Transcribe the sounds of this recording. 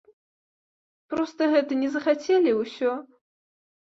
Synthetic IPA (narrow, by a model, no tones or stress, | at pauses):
pɾɔst̪ɐɦɛt̪ɐnʲɛzɐxat͡sʲʰelʲiwsʲɔ